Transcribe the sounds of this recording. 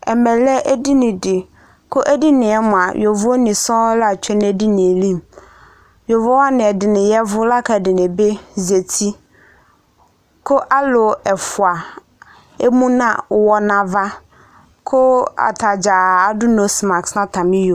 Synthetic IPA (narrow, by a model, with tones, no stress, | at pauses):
ɛ˨mɛ̃˨lɛ˦ʔɛ˦di˦nɪ̃˨dɪ˨ | kʰʊ˦ʔɛ˦di˦nɪ̃˨ɛ˦mʊ̃˨a˨jʔɔ˨vʊ˦ɔ˦nĩ˨sɔ̃˦la˨t͡ɕʰᶣɛ˦nɪ̃˦ɛ˦di˦nɪ̃˨e˨lĩ˦˨m | jɔ˨vɔ˦wa˦nɪ̃˨ɛ˨dɪ˨nɪ̃˨jɛ˦vʊ˦la˦kʰa˨dɪ˨nɪ̃˨be˦ze˨tʰi˦ | kʰʊ˦ʔa˦lʊ˨ɛ˨fʊ˨a˨ | e˦mũ˦nã̰˨wɔ˦nã˨va˦ | kʰʊ˦a̰˨tʰa˨d͡ʑa˨a˨dʊ˦nõ˨sma˨ksnã˦tʰã˨mɪ̃˦jo˨